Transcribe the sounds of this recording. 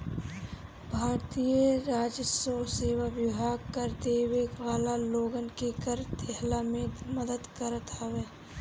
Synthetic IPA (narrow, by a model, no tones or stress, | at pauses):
bʱaːɾt̪ijəɾaːd͡ʒəsoseːʋaʋjʊbʱaːɡkəɾd̪eːʋekʋaːlaloːɡənkekəɾd̪ʱɛɦlamẽməd̪əd̪kəɾət̪ɦɐʋeː